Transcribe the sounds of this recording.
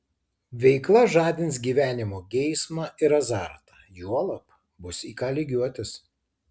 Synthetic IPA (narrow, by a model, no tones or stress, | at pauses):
ʋʲɛɪklˠɐʒɑːd̪ʲɪns̬ɡʲiːʋʲæːnʲɪmoːɡʲɛɪsmɑːʔɪɾɐzɑːˑɾt̪ɑ | juɔlˠɐp | bʊsiːkɑːlʲɪɡʲuɔt̪ʲɪs